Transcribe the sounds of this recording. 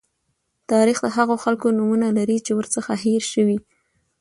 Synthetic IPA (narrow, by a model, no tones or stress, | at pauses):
t̪ɑɾixd̪əɦaɣoxalkonumunalaɾit͡ʃewəɾt͡səxaɦeɾʃəwi